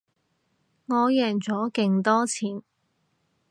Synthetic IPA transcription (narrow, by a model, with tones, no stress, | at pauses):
ŋɔː˨˧jɛː˨˩ŋt͡sɔː˨˥kɪ˧ŋt̪ɔː˥t͡sʰiː˨˥n